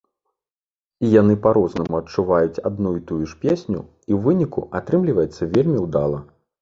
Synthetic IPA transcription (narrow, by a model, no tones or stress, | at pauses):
ijanɨpaɾɔznɐmuɐt͡ʂuvajut͡sʲad̪nujut̪ujuʂpʲesʲnʲṵ | iwvɨnʲikṵat̪ɾɨmlʲivɐjɛt̪sːɐvʲelʲmʲiwd̪alˠɐ